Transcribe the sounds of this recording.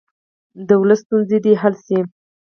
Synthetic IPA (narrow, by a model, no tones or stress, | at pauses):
d̪əwləst̪unzed̪iɦalsi